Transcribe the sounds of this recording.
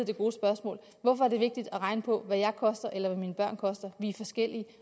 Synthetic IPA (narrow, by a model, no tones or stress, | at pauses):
d̥e̝ɡ̥o̝ːsb̥ɶɐsmɔ̰̽ːl | ʋɒfɒæɐde̝ʋe̝ɡ̥̚d̥id̥ɒʁɑ̈ɪnəpʰɒ̽ʋæjɑ̈ɪkʰɒ̽sd̥ɐʔelɐʋæmiːnəb̥ɶɐ̰nkʰɒ̽sd̥ɐʋiæfɒ̽sɡ̥el̰i